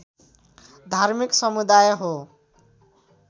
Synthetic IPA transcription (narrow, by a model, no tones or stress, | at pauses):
d̪ʱaɾmiksʌmud̪ajɦo